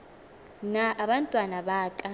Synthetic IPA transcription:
naʔːβantʼwanaβaːkʼa

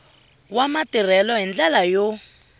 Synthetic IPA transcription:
wamatir̤ɛlɔɦind͡ɮalajo

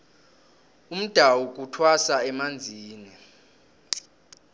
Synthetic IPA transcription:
um̩d̥ʱawuk̬ʼutʰwasaɛmand͡zʱiːnɛ

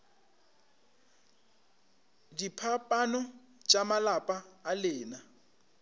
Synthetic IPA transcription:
dipʰapʼanɔ | t͡ʃʼamalapʼaːlɪːna

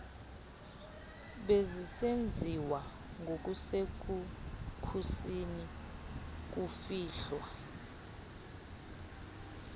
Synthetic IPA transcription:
ɓezisend͡zʱiwa | ŋʱok̬ʼusek̬ukʰusini | k̬ufiːɬwa

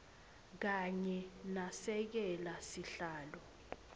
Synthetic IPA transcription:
k̬aɲɛnasɛk̬ɛlasiɬaːlɔ

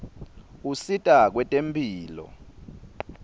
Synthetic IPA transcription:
usitʼak̬wɛtʼempʰʼiːlɔ̰

